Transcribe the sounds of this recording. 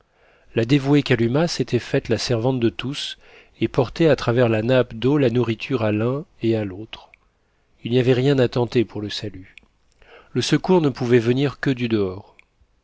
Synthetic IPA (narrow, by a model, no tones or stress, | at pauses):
lad̪evuekʲalymaset̪ɛfɛt̪lasɛʁvɑ̃t̪̚d̪ət̪us | epɔʁt̪ɛat̪χavɛʁlanapd̪olanuʁit̪ʰyʁalɛ̃ealot̪χ | ilniavɛʁjɛ̃d̪at̪ɑ̃t̪epuʁləsaly | ləsəkuʁnəpuvɛvəniʁkəd̪yd̪əɔːʁ